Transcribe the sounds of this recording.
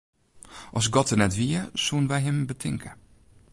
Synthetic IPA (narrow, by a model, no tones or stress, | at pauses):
ʔɔsɡɔtərnɛtʋiəsunʋɛjɦɪmbətʰɪŋkʰə